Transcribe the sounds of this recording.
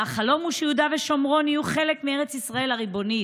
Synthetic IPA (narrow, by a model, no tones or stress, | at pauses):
aχalo̞muʃeud̪aveʃo̞mʁo̞nijuχe̞lekmieʁet͡sisʁae̞laʁibo̞ni